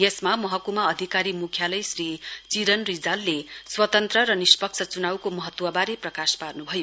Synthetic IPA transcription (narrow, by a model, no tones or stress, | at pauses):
esmamʌɦʌkumaʌd̪ʱikaɾimukʰjalʌjsrit͡siɾʌnrid͡zalːeswʌt̪ʌnt̪rʌɾʌnispʌk̚t͡sʰʌt͡sunawkomʌɦʌt̪ːwʌbaɾeprʌkasparnubʱʌjo